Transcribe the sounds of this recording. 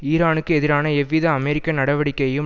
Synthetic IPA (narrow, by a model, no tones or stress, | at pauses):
iːɾaːnɯkːɯɛðɪɾaːnɐɛʋːiðɐɐmɛɾɪkːɐnɐɽɐʋɐɽɪkːɐjɯm